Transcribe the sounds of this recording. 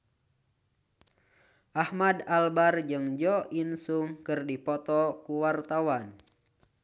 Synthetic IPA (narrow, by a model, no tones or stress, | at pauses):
ʔahmadalbard͡ʒɨŋd͡ʒɔʔinsuŋkɨrdipɔt̪ɔkuwart̪awan